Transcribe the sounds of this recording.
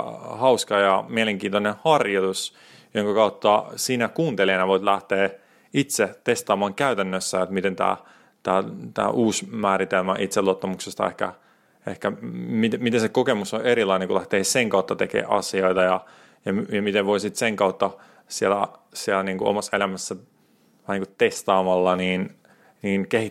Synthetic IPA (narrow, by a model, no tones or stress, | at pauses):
hɑuskɑjɑmieleŋkiːnt̪onẽhɑrjot̪us | joŋkɑkɑut̪ːɑsiːnækuːnt̪elieːnɑʋoit̪læht̪eː | it̪set̪est̪ɑːmɑːŋkæyt̪ænːøsːæot̪mit̪ent̪æ̰ː | t̪æ̰ːt̪æ̰ːʔuːsmæːɾit̪elmæʔit̪seluot̪ːɑmuksest̪ɑ̰ḛhkæ̰ | ehkæmit̪mit̪esekokemusoeɾilɑineŋkulæht̪eːseŋkɑut̪ːɑt̪ekḛːʔɑ̰sioit̪ɑjɑ | jɑmjɑmit̪eʋʋoisit̪seŋkɑut̪ːɑ | sielæ̰sielæniːŋkuo̰mɑselæmæsːæ | ʋɑniːŋkutt̪est̪ɑːmɑlːɑniːn | niːnkehi